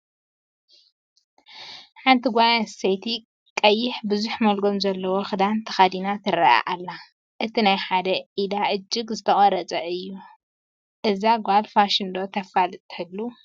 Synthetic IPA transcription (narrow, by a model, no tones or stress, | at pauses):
ħant̪ʰiɡʷajasejt̪ʰi | kʼɐjːɪħbɨzuħmɐlɡo̞mzɐlːɐwoxɨd̪ant̪ʰɐ̥xad̪inat̪ʰɨɾa̰ʔa̰ʔalːa | ʔɨt̪ʰinajħad̪ɐʔid̪aʔɨd͡ʒːɪɡzɨt̪ʰɐχʼɐɾɐt͡sʼɐɨjːu | ʔɨzaɡʷalfaʃɪnd̪o̞t̪ʰɐfalt̪ʰɨ̥hɨlːu